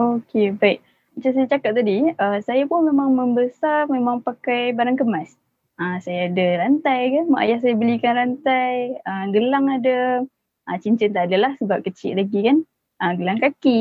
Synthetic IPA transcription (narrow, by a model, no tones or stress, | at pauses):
okebaiʔ | mat͡ʃamsajat͡ʃakap̚t̪adiəsajapʊnmemaŋməmbəsarmemaŋpakajbaɾaŋkəmas | əsajaːdaɾant̪ajkanmaʔa̰jahs̬ajabəlikanɾant̪ajəɡəlaŋada | ʔət͡ʃiɲt͡ʃənt̪adalahsəbap̚kət͡ʃɪ̰ʔlaɡikan | ʔəɡəlaŋkaki